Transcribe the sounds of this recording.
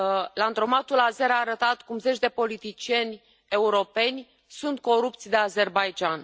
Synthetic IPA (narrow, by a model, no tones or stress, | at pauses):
land̪ɾo̞mat̪ulaze̞ɾaːɾət̪at̪kumze̞t͡ʃd̪e̞po̞lit̪it͡ʃie̞nʲ | e̞uɾo̞pe̞nʲ | sunt̪̚ko̞ɾupt̪sʲd̪e̞aze̞rbajd͡ʒan